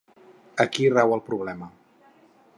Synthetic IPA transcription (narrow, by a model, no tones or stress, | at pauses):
əkirɛwəlˠpɾuβ̞lɛmə